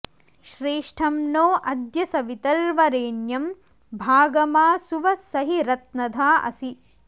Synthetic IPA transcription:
ʃɾeːʂʈʰɐmnoːʔɐd̪jɐsɐʋit̪ɐɾʋɐɾeːɳjɐm | bʱaːɡɐmaːsuʋɐsɐɦiɾɐt̪nɐd̪ʱaːʔɐ̰si

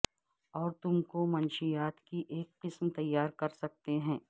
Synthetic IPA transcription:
ɔːɾt̪ʊmkomɐnʃijaːt̪kiʔeːkqɪsmt̪ɐjːaːɾkɐɾsɐk̚t̪eɦɛ̃ː

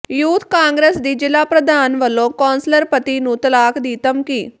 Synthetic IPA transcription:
juːt̪ʰkaːŋɡɾeːsd̪iːd͡ʒɪlaːpɾəd̪aːnʋəlːõːkɔːnsləɾpət̪iːnũːt̪əlaːkd̪iːt̪əmkiː

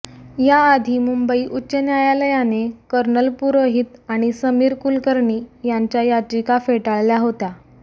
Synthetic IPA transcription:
jaːd̪ʱiːmumbəiʔutːɕənjajaləjanekəɾnəlpuɾoɦit̪aɽ̃isəmiːɾkulkəɾɳiːjaɲt͡ɕjajat͡ɕikafeʈaɭljaɦot̪a

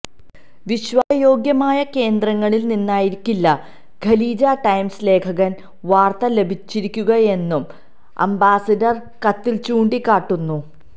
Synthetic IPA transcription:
ʋiɕʋajo̞ːɡjɐmaːjɐke̞ːnd̪rɐŋːɐɭilninːaːjiɾikʲːilːɐ | ɡʱɐliːd͡ʑaːʈɐjmsle̞ːkʰɐɣɐn | ʋaːrt̪ɐle̞bʱit͡ɕːiɾikʲːuɣɐe̞nːum | ɐ̰mbaːsɐdɐr | kɐt̪ːilt͡ɕuːɳɖikːaːʈːunːu

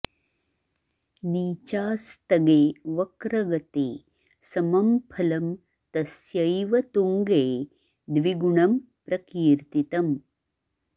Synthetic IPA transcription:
niːt͡ʃaːst̪ɐɡeːʋɐkɾɐɡɐt̪eː | sɐmɐmpʰɐlɐm | t̪ɐsjɐjʋɐt̪uŋɡeː | d̪ʋiɡuɳɐm | pɾɐkiːɾt̪it̪ɐm

